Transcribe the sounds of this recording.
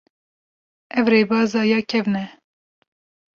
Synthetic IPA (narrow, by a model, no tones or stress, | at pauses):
ɛvɾeːbɑːzɑːjɑːkʰɛvnɛ